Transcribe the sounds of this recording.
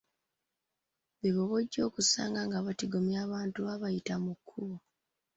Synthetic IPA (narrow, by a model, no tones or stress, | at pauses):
βiβoβo̞ɟːo̞ːkusa̰ːŋɡaŋɡaβatiɡo̞mjaːβaːntuaβajitamukʰːuβo